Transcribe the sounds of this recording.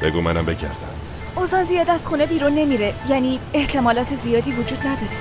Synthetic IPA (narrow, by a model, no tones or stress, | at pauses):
beɡuːmænæmbe̞cʰæ̰ɾd̪æ̰m | ozɒːnzijɒːd̪æz̥xuːne̞biːɾunːe̞miːɾe̞jæniːe̞ht̪ʰe̞mɒːlɒːt̪ʰe̞zijɒːd̪iːvod͡ʒuːd̪̚næd̪ɒːɾe